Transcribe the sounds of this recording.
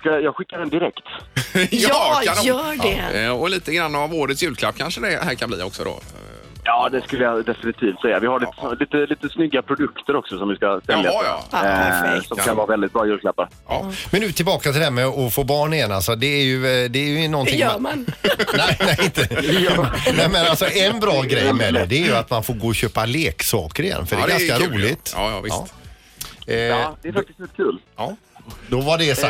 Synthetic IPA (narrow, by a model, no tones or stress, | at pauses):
skajɑːɡɧɪkːad̪ɛnd̪ɪɾɛkt̪ː | anjœːɛɔliːt̪əɡɾanːavoːɾət̪sjʉ̟ːlkʰlapːkʰanʂəd̪ɛɦæːɾkʰanblḭːɔ̰ksɔd̪o̰ | jɑːd̪ɛskɵlːəjad̪ɛfɪnɪt̪ʰiːft̪sɛjːavɪhaɾliːt̪əsɔliːt̪əliːt̪əsnʏɡːapʰɾʊd̪ɵkt̪əɾɔksɔsɔmvɪskasɛljajɑ̰ː | sɔmkʰanvɑavɛld̪ɪt̪̚bɾɑːjʉ̟ːlkʰlapːaɾjɑ̰ːmɛnːʉ̟ːt̪ʰɪlbɑːkat̪ʰɪld̪ɛmɛɔfoːbɑːɳɪjɛnːalsɔd̪ɛːɾjɵd̪ɛːɾjɵɪnɔnʰɪjŋːmanɛnɛɪnt̪ə | nɛmɛnalsɔɛnbɾɑːɡɾɛjmɛd̪ɛd̪ɛːɾjɵat̪manfoːɾɡoːɔɕøːpaleːksɑːkəɾɪjɛ̰nːfœɖɛɡanskaɾuːlɪt̪ːɑ̰ː | d̪ɛɾfak̚t̪ɪst̪vɛkʰʉːlː | d̪ɔvaɖɛs